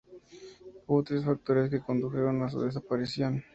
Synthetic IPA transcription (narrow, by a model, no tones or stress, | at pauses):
uβot̪ɾesfak̚t̪o̞ɾeskeko̞nd̪uxe̞ɾo̞nas̬ṵðes̬apaɾisjon